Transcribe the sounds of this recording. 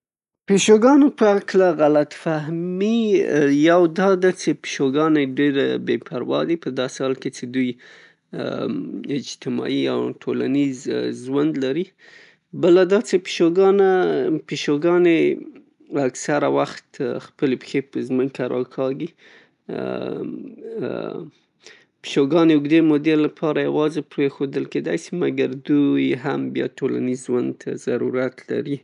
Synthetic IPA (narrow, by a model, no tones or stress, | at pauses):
peʃoɡɑnopəaklaɣalat̪faɦmijawd̪ɑd̪at͡ʃepi̥ʃoɡɑneɖeɾbepʰaɾwɑ̰d̪ipəd̪ɑsehɑlket͡ʃed̪uj | ɪd͡ʒt̪ɪmɑ̰ia̰wʈʰola̰nizʒwand̪laɾi | bəlad̪ɑt͡ʃepi̥ʃoɡɑnapiʃoɡɑne | aksaɾawaxt̪xpəlepxepəzməkkaɾɑ̰kʰɑɡi | pi̥ʃoɡɑneʊɡd̪emod̪elapʰɑɾajawɑzepɾexod̪əlked̪a̰jsimaɡaɾd̪ujɦambjɑ̰ʈola̰nizːwand̪t̪ʰazaɾuɾat̪la̰ɾi